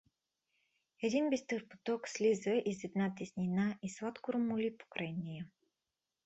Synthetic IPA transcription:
ɛd̪inbist̪ɤɾpo̥t̪ɔkslʲizəʔizɛd̪nat̪isʲnʲinaʔislˠat̪kʊɾomʊlʲipo̥kɾanʲijə

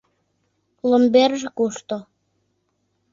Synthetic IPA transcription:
lomberʒĕkuʃt̪o

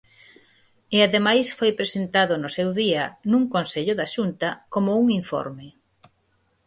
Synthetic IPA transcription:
eaðemajsfojpɾesent̪aðʊnʊsewðiɐnuŋkonseʎʊðaʃunt̪ɐkomouŋiɱfɔ̰ɾme

